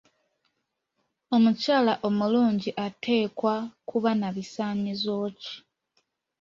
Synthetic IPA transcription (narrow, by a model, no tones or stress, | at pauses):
o̞mucaːlaʔo̞muluːɲɟiʔatʰe̞ːkwakuβanaβisaːɲizo̞ːci̥